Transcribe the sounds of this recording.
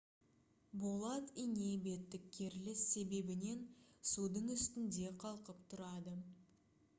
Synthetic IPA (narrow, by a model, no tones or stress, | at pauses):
bolˠɑt̪ijne̞be̞t̪ːɪkʲʰːeɾlɪsːe̞be̞bɪne̞nsud̪əɴʏst̪ɪnd̪e̞qʰɑlˠqəpt̪ʰʊɾɑd̪ə